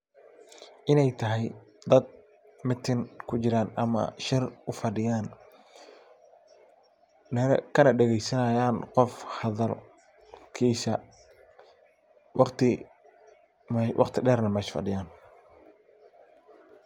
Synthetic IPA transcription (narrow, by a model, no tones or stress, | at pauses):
ʔɪnɛjt̪ʰɐɦɛjd̪ɐd̪̚ | mɪt̪ʰɪnkʰʊt͡ʃɪɾaːnɐmɐ̰ʃɪrʊfɐɖɪjaːn | nɛɾkʰɐnɐɖɛɣɛjsɐnɐjaːnqɔfhɐðɐl | kʰiːsɐ | wʔɑqt̪ʰɪ | mɛwʔɑ̰qt̪ʰɪɖɛːrnɐmɛːʃfɐ̰ɖɪjaːn